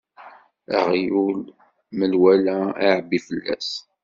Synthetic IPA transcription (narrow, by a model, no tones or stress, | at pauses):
æ̰ʁjul | məlwælæaʕəbːifəlːæ̰s